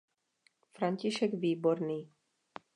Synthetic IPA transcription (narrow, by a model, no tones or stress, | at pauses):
fɾaɲciʃɛɡʋiːbɔɾniː